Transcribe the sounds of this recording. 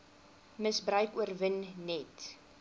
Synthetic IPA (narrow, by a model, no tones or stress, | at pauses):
məsbrœɥkuərvənːɛt